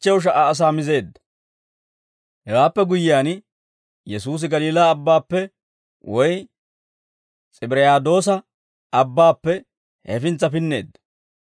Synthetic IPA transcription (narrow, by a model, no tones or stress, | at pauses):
t͡ʃːɛwʊʃ̬ɐʔaːs̬aːmɪze̞ːd̪ːɐ̥ | hɛwaːpːɛɡʊjɪjaːn | jɛsuːs̬ɪɡɐliːlaːbːaːpːɛ | wɔj | t͡sʼɪbɪɾɛjaːd̪o̞ːsɐ | ɐbːaːpːɛ | hɛfɪnt͡sːɐpɪnːe̞̰ːd̪ːɐ̥